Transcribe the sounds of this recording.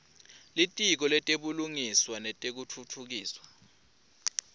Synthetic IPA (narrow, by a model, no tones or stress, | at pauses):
litʼik̬ɔlɛtʼeɓuluŋiswanɛtʼek̬utʰutʰuk̬iːswḁ